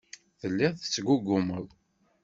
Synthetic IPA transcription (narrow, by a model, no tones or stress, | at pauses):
θəlːiðˤθə̥t͡sːɡuɡːʊməðˤ